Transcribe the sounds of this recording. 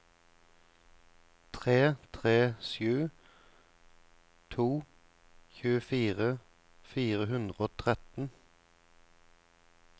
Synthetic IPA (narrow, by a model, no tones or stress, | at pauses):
t̪ʰʁeːt̪ʰʁeːsjʉː | t̪ʰuː | çʉːəfiːʁə | fiːʁəhʉnd̪ʁəoːt̪ʰʁɛt̪n̩